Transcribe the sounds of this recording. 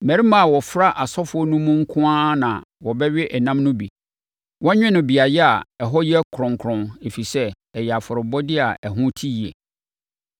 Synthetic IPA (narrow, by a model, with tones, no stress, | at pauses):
mæ̃˨ɾi˦mã˨a˨wɔ˨fɾa˦ʔa˨sɔ˦fʊ˦ɔ˦nũ˦mũ˦ŋ̩˦kʰʊ̃˦a˦nã˨wɔ˨bɛ˦ɥɪ˦ʔɛ˨nã˦mnʊ̃˦bi˨ | wɔ̃˦ɲᶣɪ̃˦nʊ̃˨bi˨a˨jɛ˦a˨ɛ˨ɦɔ˦ji˦ɛ˦kʰʊ˨ɾʊ̃˨ŋkʰɾʊ̃˨ne˨fi˨sɛ˦ | ɛ˨ja˨fʊ˨ɾɪ˨bɔ˦dɪ˦a˨ʔɛ˨ɦʊ̃˦tʰi˦ji˨ḛ˨